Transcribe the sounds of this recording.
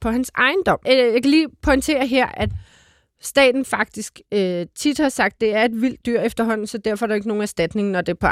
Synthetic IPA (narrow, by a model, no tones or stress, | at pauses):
pʰɒ̽hænsɑ̈ɪnd̥ɒ̽m̰jäɪkʰæliːpʰɒ̽ɪnt͡sʰe̝̰ːɐɦeɐ̰ʔæ̥ | sd̥ɛ̰ːd̥n̩fɑ̈ɡ̥̚d̥isɡ̥øt͡sʰid̥hɑ̈sɑ̈ɡ̥̚d̥ːe̝æɐe̝d̥ʋil̰d̥ːyɐ̰efd̥ɐɦɒ̽n̰n̩sɒ̽d̥æɐfɒæɐɾɑ̈e̝ɡ̥əno̝ːn̩æɐsd̥æd̥ne̝ŋnɒd̥e̝pʰɒ